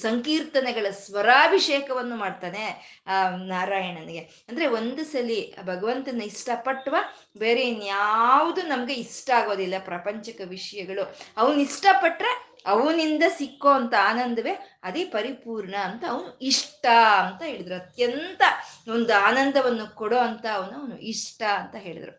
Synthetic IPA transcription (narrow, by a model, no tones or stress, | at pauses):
sɐŋkiːɾt̪ɐnɛɡɐɭɐsʋɐɾaːbʱiʂeːkɐʋɐnːumaːɖt̪aːne̞ | naːɾaːjɐɳɐnɡe | ɐnd̪ɐɾe̞o̞nd̪ɐsɐlːibʱɐɡɐʋɐnt̪ɐnːɐiʂʈɐpɐʈːɐʋa | beːɾenjaːʋud̪unɐmɐɡe̞iʂʈɐaːɡo̞ːd̪ilːɐpɾɐpɐɲt͡ʃɐkɐʋiʂɐjɐɡɐɭuɐʋɐnuiʂʈɐpɐʈːɾe | ɐʋɐnind̪ɐsikːo̞ɐnt̪ɐaːnɐnd̪ɐʋe̞ | ɐd̪e̞ːpɐɾipuːɾɳɐːnt̪ɐːʋɐnuiʂʈɐɐnt̪ɐɦe̞ːɭid̪ɐɾuɐt̪jɐnt̪ɐond̪uaːnɐnd̪ʱɐʋɐnːukɔɽo̞ɐnt̪ɐːʋɐnuɐʋɐnṵʔiʂʈɐɐnt̪ɐɦe̞ːɭḭd̪ɐɾṵ